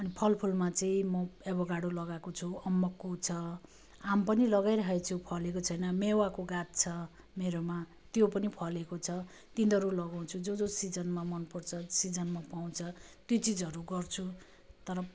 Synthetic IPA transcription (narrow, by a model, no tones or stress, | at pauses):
ʌnipʰʌlpʰulmat͡sʌĩmʌebʌɡaɽulʌɡakot͡sʰuʌmːʌkːot͡sʰʌ | ampʌnilʌɡajɾʌɦet͡sʰupʰʌlekot͡sʰʌjnʌmewakoɡat̪̚t͡sʰʌ | meɾoma | t̪jopʌnipʰʌlekot͡sʰʌ | t̪ind̪ʱʌɾulʌɡaw̃t͡sʰud͡zod͡zosid͡zʌnmamʌnpʌrt͡sʰʌsid͡zʌnmapaw̃t͡sʰʌt̪jot͡sid͡zʌɾuɡʌrt͡sʰu | t̪ʌɾʌ